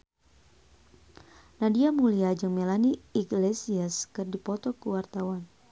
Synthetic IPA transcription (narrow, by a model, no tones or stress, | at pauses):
nadiamuliad͡ʒɨŋmelaniiɡlesiaskɨrdipɔt̪ɔkuwart̪awan